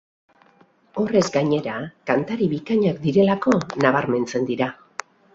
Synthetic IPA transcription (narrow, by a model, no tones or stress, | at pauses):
o̞re̞zɡaɲe̞ɾakant̪aɾiβikaɲak̚d̪iɾe̞lako̞naβ̞aɾme̞nt͡se̞nd̪iɾa